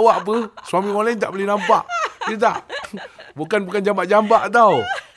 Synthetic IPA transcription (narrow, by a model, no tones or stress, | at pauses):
waʔp̬əswamiŋolajnt̪a̰ʔbəlhnampaʔdət̪̬aʔ | bukanbukand͡ʒambaʔd͡ʒambaʔt̪aw